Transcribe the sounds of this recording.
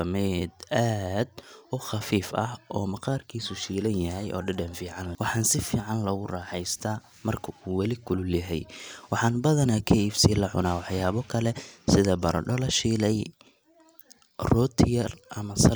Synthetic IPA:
mɛd̪aːd̪ʊχɑfiːfɐhʔɔːmɐqɑːrkʰiːsʊʃiːlɐnjɐɦɛjʔɔ̰ːɖɐɖɐnfiːʕɑnlɐwɑħɑːnsɪfiːʕɑnlɔɣʊrɑːħɛjst̪ʰaː | mɐrkʰɐʔuːwɑlɪkʰʊlʊljɐɦɛjwɑħɑːnbɐðɐnɐkʰɐiːfsilɐʕʊ̰naːwɑħjaːβɔkʰɐlɛsɪðɐbɐɾʔɐ̰ɖɔlɐʃiːlɛj | rɔːt̪ʰɪjɐrʔɐmɐsɐ

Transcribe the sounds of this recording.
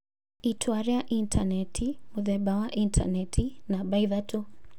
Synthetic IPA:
itʰwaɾiaʔintʰanɛtʰimuðɛbawaʔintʰa̰nɛtʰinabaiðatʰu

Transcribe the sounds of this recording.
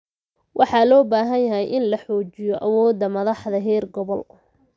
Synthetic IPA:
wʔɑħɑlɔːbaːɦɐnjɐɦɛjʔɪnlɐħɔːt͡ʃɪjɔʔɐwɔːd̪ːɐmɐðɑħðɐɦɛːrɡɔβɔl

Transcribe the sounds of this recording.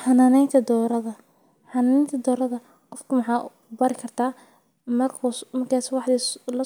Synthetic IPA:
ħɑnaːnɛjnt̪ʰɐd̪ɔːɾɐðɐ | ħɑnaːnɛjnt̪ʰɐd̪ɔːɾɐðɐ | qɔfkʰʊmɐħɑː | bɐɾɪkʰɐrt̪ʰaː | mɐrkʰʊmɐrkʰaːswɑħd̪ilɐ

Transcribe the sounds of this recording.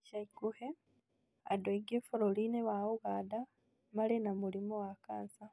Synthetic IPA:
ʃaikuhe | a̰dweɡefoɾolineβaoɣada | malenamulimowakaːnsa

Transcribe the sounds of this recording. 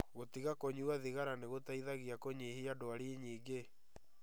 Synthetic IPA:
ɣotiɣakoɲiaðiɣaɾaneɣotaiðaɣiakoɲehiadoaɾiɲiːɡe

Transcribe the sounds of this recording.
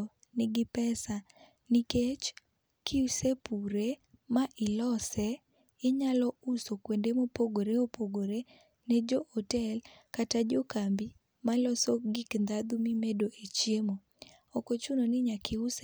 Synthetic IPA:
nɪɡɪpɛsa | niket͡ʃ | kiusepuɾemaʔɪlɔsɛ | ɪɲalɔusokwendemopoɡoɾeopoɡoɾe | nɛd͡ʒohotɛlkatad͡ʒokambi | malɔsɔɡiknd̪ad̪umɪmedoʔet͡ʃjemo | ɔkot͡ʃunonɪɲakʰɪus

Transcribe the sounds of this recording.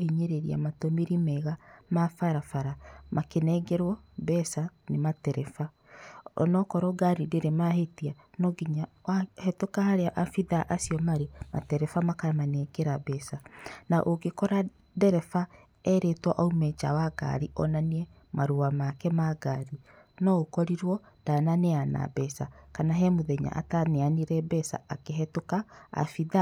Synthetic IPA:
hiɲeɾeɾia̰matomiɾimɛɣamafaɾafaɾamakenɛɡɛɾwɔbɛsanematɛɾɛfa | ɔ̰nɔkɔɾɔɡaɾideɾemahetia | nɔɡiɲaahɛtokahaɾeaʔafiðaʔasiɔmaɾema̰tɛɾɛfamakamanɛɡɛɾabɛsanaʔoɡekɔɾa | dɛɾɛfa | ɛɾetwɔʔaumɛt͡ʃawaɡa̰ɾiʔɔnaniɛ | maɾuamakɛmaɡaɾi | nɔkɔɾiɾwɔd̥ananeana̰bɛsakanaɦɛmoðɛɲa̰ʔa̰taneaniɾɛbɛsa̰akeɦɛtoka̰ːfiða

